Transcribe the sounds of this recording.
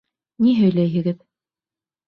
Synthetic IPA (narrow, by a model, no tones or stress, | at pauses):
niɦɵ̆jlæjɘ̆ɡɘð